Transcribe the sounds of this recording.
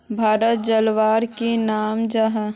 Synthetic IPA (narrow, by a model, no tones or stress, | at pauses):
bʱaːɾət̪̚d͡ʒəlʋaːɾkenaːmd͡ʒɐɦə